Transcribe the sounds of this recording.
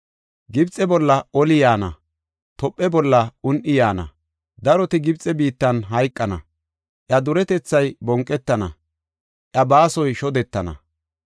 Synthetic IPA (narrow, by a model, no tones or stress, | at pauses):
ɡɪbt͡sʼːɛbɔlːɐɔlɪjaːnɐ̰ | t̪ɔpʼːɛbɔlːɐʊnʔɪjaːnɐ̰ | d̪ɐɾɔt̪ɪɡɪbt͡sʼɛbiːt̪ːɐnɦɐjkʼːɐnɐ̰ | ʔjɐd̪ʊɾɛt̪ɛt͡sːɐjbɔŋkʼːɛt̪ːɐnɐ̰ | ʔɐbaːsɔjʃɔd̪ɛt̪ːɐnɐ̰